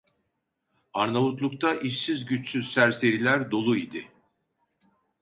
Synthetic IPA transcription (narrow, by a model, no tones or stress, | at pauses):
aɾnavut̪lˠuk̚t̪ʰaʔiʃsizɟyt͡ʃsyzsæɾse̞ɾilʲæɾd̪o̞lˠuid̪ɪ